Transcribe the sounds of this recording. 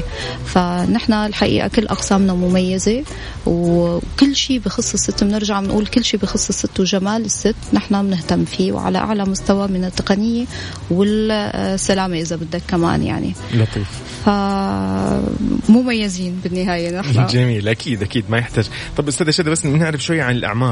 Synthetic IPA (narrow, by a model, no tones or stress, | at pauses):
fanɪħnalħaʔḭːʔa̰kɪlːʔɑqsaːmnamʊmajːaze | wkɪlːʃiːbɪxɨsˤːɨsːɪt̪ːmnɪɾʒaʕɪnʔuːlkɪlːʃiːbixɨsˤːɨsːɪt̪ːwʒamaːlɪsːɪt̪ːnɪħnamnɪht̪amːfiːwʕa̰la̰ʔa̰ʕlamʊst̪awamɪnɪt̪ːɑqɑnɪjːe | wɪlsːalaːmeʔɪzabɪd̪ːakːama̰ːnja̰ʕnḭlɑt̪ˤiːf | fa | mʊmajːɪziːnbɪnːɪɦaːjenɪħnd͡ʒamiːlʔakʰiːd̪ʔakiːd̪majɪħt̪aːd͡ʒ | t̪ˤɑbʔʊst̪aːd̪aʃaːd̪abasːmɪnɪʕɾɪfʃwajːʕanɪlʔa̰ʕmɑː